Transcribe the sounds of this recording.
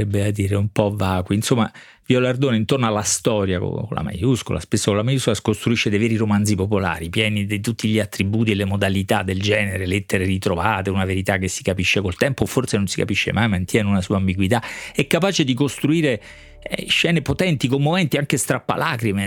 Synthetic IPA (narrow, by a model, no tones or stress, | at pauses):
ɛbːead̪iːɾeumpɔvːaːkwiːnsomːa | vjolard̪oːneint̪ornoalːast̪ɔːɾjako̰o̰la̰ma̰jusko̰la̰spesːokolamajuskolaskost̪ɾuiʃːed̪ejvɛːɾiɾomand̪zipopola̰ːɾipjɛːnid̪et̪ut̪ːiʎiat̪ːɾibuːt̪̬ielːemod̪alit̪ad̪ːeld͡ʒɛːneɾelet̪ːeɾerit̪ɾovaːt̪eunaveɾit̪akːesːi̥kapiʃːekolt̪ɛmpoforsenonsika̰piʃːḛmajmant̪jɛnunasuaːmbiɡwit̪aɛkːapaːt͡ʃed̪ikost̪ɾuiːɾe | ɛ̰ʃːɛːnepot̪ɛnt̪ikomːomɛnt̪iaŋkest̪ɾapːa̰laːkɾime